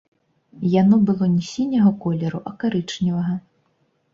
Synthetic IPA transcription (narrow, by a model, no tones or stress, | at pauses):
janɔbɨlˠɔnʲisʲinʲɐɣɐkɔlʲɛɾuʔɐkaɾɨt͡ʂnʲivɐɣɐ